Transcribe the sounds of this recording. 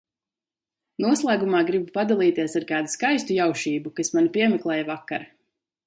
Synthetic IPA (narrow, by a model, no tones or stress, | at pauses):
nuɔslˠaːɡumaːɡɾibupad̪alˠiːt̪iɛsaɾkaːd̪uskajst̪ujawʃiːbukasmanipiɛmɛklˠɛːjavakːaɾ